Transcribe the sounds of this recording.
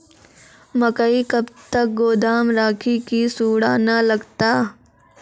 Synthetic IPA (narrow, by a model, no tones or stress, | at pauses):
məkəikɐbt̪ək̚ɡoːd̪aːmɾaːkʰikisuːɽaːnalɐɡt̪aː